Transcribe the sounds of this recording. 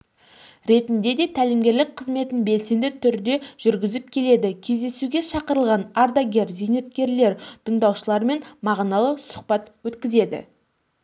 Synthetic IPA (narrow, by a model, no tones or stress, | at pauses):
ɾe̞t̪ɪnd̪e̞d̪e̞t̪ʰælɪmɡʲe̞ɾlɪk̚qʰəzme̞t̪ɪnbe̞lse̞nd̪ɪt̪ʰʏɾd̪e̞ʒ̥ʏɾɡʲɪzɪp̚kʲʰe̞le̞d̪ɪkʲʰe̞zd̪e̞suɡʲe̞ʃɑqəɾəlˠʁɑnaɾd̪aɡʲe̞ɾzejnet̪̚kʲe̞ɾle̞ɾt̪ʰəɴd̪ɑwʃəlˠɑɾme̞nmɑʁnɑlˠəsʊ̥q̚pɑt̪wɵt̪kʲɪze̞d̪ɪ̰